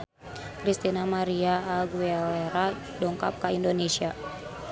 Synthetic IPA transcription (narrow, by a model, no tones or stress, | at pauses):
kɾist̪inamaɾiaːɡualeɾa | dɔŋkap̚kaindonesia